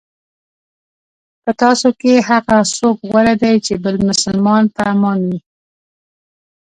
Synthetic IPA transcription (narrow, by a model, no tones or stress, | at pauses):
pət̪ɑsokeɦaɣasokɣwaɾad̪ajt͡ʃebəlmʊsəlmɑnt̪amɑnwi